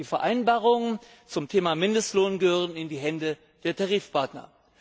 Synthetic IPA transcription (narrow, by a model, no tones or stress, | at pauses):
iːfɛɐʔaɪnbaːʁʊŋə | t͡sʊmtʰeːmamɪndəstloːnɡəhøːʁ̞ənɪndiːɦɛndə | d̥eːɐtʰaʁiːfpʰaɐtnɐ̰